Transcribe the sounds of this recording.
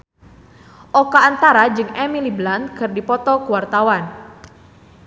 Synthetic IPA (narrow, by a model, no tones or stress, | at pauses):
ʔɔkaːnt̪aɾad͡ʒɨŋɛmiliblant̪̚kɨrdipɔt̪ɔkuwart̪awan